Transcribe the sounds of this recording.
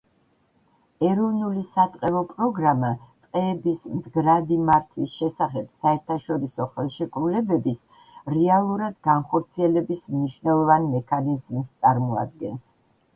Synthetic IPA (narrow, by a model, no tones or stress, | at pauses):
ɛɾɔvnulisat̪ʼqʼɛvɔpʼɾɔɡɾamat̪ʼqʼɛːbismd̪ɡɾad̪imaɾt̪ʰwisʃɛsaχɛb̥saɛɾt̪ʰaʃɔɾisɔχɛlˠʃɛkʼɾulɛbɛbis | ɾɛalˠuɾad̪ɡanχɔɾt̪sʰiɛlɛbismniʃvnɛlˠɔvanmɛkʰanizmst̪sʼaɾmɔa̰d̪̚ɡɛns